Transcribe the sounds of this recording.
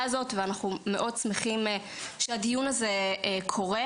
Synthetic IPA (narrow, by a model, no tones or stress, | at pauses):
azo̞tveanaχume̞ʔo̞d̚t͡smeχime | ʃeadijunaze̞ekʰo̞ʁe